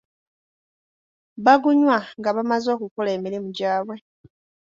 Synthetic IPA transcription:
βaɡuɲwaŋɡaβamazo̞ːkukole̞ːmiɾimuɟaːβwe̞

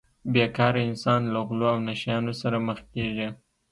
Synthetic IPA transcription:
bjekɑɾaɪnsɑnlaɣloawnaʃjɑnosaɾaməxkeʒi

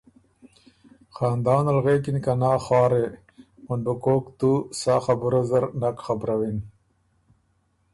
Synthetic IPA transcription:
xaːnd̪ɑːnɐlɣeːkinkanaːχɑːɾe | munbukoːkt̪usaxabuɾazɐɾnakxabɾawin

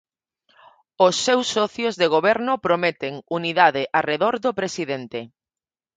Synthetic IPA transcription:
ʊsːewsːɔθjozðeɣ̞oβɛɾnʊpɾomet̪eŋuniðaðɪʔareðoɾðopɾesiðent̪e

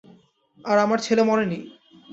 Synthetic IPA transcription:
aɾamaɾt͡ɕʰelemɔneni

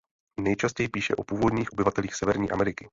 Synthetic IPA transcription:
nɛjt͡ʃascɛjpiːʃɛ̰ʔopuːvo̞dɲiːxʔobɪvat̪ɛliːxsɛvɛɾɲiːʔa̰mɛɾɪkɪ

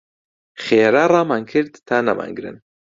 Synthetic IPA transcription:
xeːɾarˤɑːmaːnkʰɨɾd̪t̪ʰaːnama̰nɡɾɨ̰n

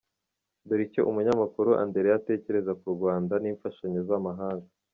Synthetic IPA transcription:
duɾicoʔumuɲamakuɾuʔa̰nde̞ɾejate̞ːce̞ɾe̞zakuɾɡwaːndaniːɱfaʃaɲezamaɦaːŋɡa

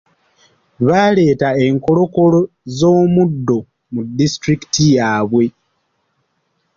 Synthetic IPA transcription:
βaːle̞ːtae̞ŋko̞lo̞ko̞lo̞ | zoːmudːo̞ | mudːistɾiki̥tijaːβwe̞

